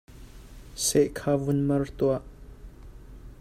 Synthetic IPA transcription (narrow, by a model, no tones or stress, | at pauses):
sɛʔkʰaːvunmɐrt̪uaʔ